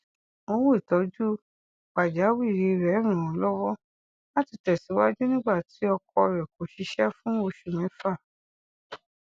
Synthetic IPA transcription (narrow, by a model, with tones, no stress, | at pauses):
o˧wo˦i˨tɔ˨˦d͡ʒu˦ | k͡pa˨d͡ʒa˨˦wi˦˨ɾi˧ɾɛ˨˦ɾ̃ũ˨ɔ˨˦lɔ˦wɔ˦ | na˦ti˧˨tɛ˨si˨˦wa˦d͡ʒu˦nĩ˦ɡ͡ba˦˨ti˨˦ɔ˧kɔ˧ɾɛ˨ko˨ʃi˧˦ʃɛ˦fũ˦o˧ʃu˨mɛ̃˨˦fa˦˨